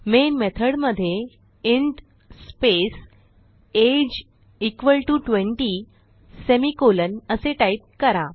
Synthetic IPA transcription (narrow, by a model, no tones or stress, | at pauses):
menmet̪ʰəɽməd̪ʱːje | iɳʈ | spes | ed͡ʑ | ikʋəlʈuʈʋeɳʈi | semikolənəseʈait̪̚kəɾa